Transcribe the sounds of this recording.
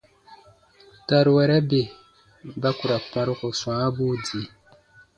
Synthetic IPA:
ta˨ɾu˨wɛ˨ɾɛ˦be˨ | ba˦ku˨ɾa˨k͡pã˨˦ɾu˦ko˨sw̃ãː˦bu˦di˨˦

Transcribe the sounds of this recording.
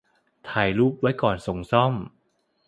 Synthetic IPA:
t̪ʰaː˩˦jluː˥˩p̚wa˦˥jkɔː˨˩nso˨˩˦ŋsɔ˥˩m

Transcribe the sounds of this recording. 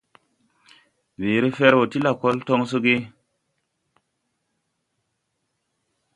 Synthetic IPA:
we˨ɾi˦fe˦ɾwo˨ti˦la˨ko˦lto˦ŋs̬u˦ɡi˦

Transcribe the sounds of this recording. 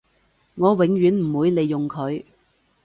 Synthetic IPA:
ŋɔː˨˧wɪ˨˧˥ŋɥyː˨˥nm̩˨˩wuː˨˧˥jle˨jːʊ˨ŋkʰɵ˨˧ɥ

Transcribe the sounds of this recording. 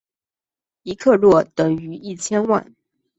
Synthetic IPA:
i˧˥kʰɤ˥˧lwɔ˥˩t̪ɤ˨˩ŋy˧˥i˥˩t͡ɕʰjɛ˥nwa̰˥˩n

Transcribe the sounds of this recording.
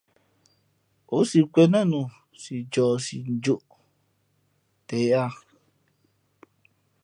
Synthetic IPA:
o˨˦si˨kʷɛ˧nã˦˨nũ˨ | si˨d͡ʒɔː˨si˨n̩˨d͡ʒo˦˨ʔ | tɛ˨˦a˧˨

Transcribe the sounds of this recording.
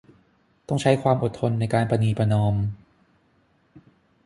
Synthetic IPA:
t̪ɔ˥˩ŋt͡ɕʰa˦˥jkʰwaː˧mʔo˨˩t̪ʰːo˧nːa˧jkaː˧npa˧niː˧˩pa˧nɔː˧m

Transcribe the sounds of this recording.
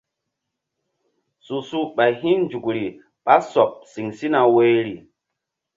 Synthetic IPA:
su˨su˦ɓa˨ɦi˦nn˦d͡ʒu˨kɾi˨ | ɓa˦so˨p̚si˨ŋsi˦na˨we˧˦jɾi˨

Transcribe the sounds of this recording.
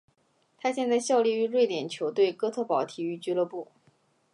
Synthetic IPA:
t̪ʰa˥ɕjɛ˥˧nt͡sa˥˧ɪɕjɑ˥˧ʊli˥˩y˧˥ɻwe˥˩ɪt̪jɛ˨˩nt͡ɕʰjo˧˥ʊt̪we˥˩ɪkɤ˥t̪ʰɤ˥˩pɑ˨˩ʊt̪ʰi˧˥y˧˥t͡ɕy˧˥lɤ˧˥pu˥˩

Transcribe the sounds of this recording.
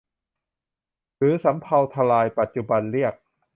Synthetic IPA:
ɾɯː˩˦sa˩˦mpʰa˧wt̪ʰa˧laː˧jpa˨˩t̪̚t͡ɕu˧ba˧nɾi˥˩ək̚

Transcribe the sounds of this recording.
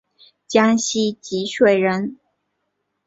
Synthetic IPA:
t͡ɕjɑ˥ŋɕi˥t͡ɕi˧˥ʂwe˥˩ɪɻə˧˥n

